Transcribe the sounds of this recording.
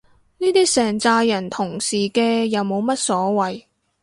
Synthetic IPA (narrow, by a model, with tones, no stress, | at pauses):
niː˥t̪iː˥sɛː˨˩ŋt͡saː˧jjɐ˨˩nt̪ʰʊ˨˩ŋsiː˨˩kɛː˧jɐ˨˧wmo˨˧wmɐ˥t̚sɔː˨˥wɐ˨j